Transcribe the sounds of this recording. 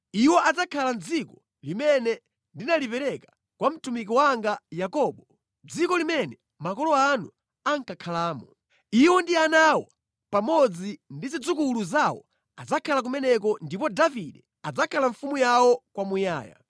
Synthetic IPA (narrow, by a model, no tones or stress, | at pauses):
iwɔʔad͡zakʰaland͡zikɔ̥ | limɛnɛ | ndinalipɛɾɛkḁ | kwam̩tumikiwaŋɡajakɔːɓɔ | d͡zikɔlimɛnɛ | makɔlɔanu | aŋkakʰalaːmɔ | iwɔndianawa | pamɔd͡zindizid͡zukuluzawɔ̰ | ad͡zakʰalak̬umɛnɛk̬ɔndipɔdaviɗɛ | ad͡zakʰalaɱ̩fumujawɔkwamuja̰ːja̰